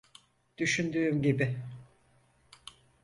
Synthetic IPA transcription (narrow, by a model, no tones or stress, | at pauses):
d̪̥yʃynd̪yːmɟibɪ